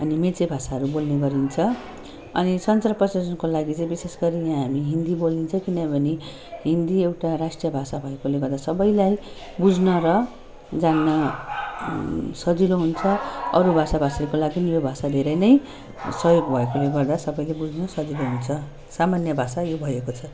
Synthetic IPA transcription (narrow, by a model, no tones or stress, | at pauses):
ʌnimet͡sebʱasaɦʌɾubolneɡʌɾint͡sʰʌ | ʌ̰nisʌnt͡sarpʌsed͡zʌnkolaɡit͡saĩbisesɡʌɾijãɦamiɦind̪ibolint͡sʰʌkinʌbʱʌne | ɦind̪iewʈaɾasʈrijʌbʱasabʱʌekoleɡʌrd̪asʌbʌjlaj | bud͡znʌɾʌ | d͡zanːʌ | sʌd͡ziɾoɦunt͡sʰʌʌɾubʱasabʱasaɾukolaɡinijobʱasad̪ʱeɾʌjnʌj | sʌjoɡbʱʌekoleɡʌrd̪asʌbʌjlejbud͡znʌsʌd͡ziɾoɦunt͡sʰʌ | samanjʌbʱasajobʱʌjekot͡sʰʌ